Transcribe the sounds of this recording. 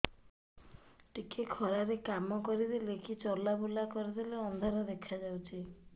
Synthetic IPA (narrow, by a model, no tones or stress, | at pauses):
ʈikekʰɔɾaɾekamɔkɔɾid̪ilekit͡ʃɔlabulakɔɾid̪ileɔnd̪ʱaɾɔd̪ekʰad͡ʒawt͡ʃʰi